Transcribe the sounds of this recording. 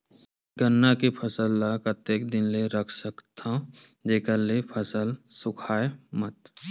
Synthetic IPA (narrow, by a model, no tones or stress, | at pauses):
ɡənːakipʰəsəlːaːkət̪eːk̚d̪ɪnleɾəkʰsəkt̪ʰãd͡ʒeːkəɾlepʰəsəlsʊkʰaːemət̪